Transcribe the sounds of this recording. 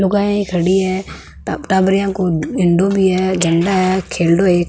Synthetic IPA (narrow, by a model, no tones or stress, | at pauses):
lʊɡaːẽikʰəɽiɦɛː | ʈaːbɾɪjãːkoɪ̃ɳɖoːbʱiːɦɛːd͡ʒəɳɖaɦɛkʰeːlɖoːeːk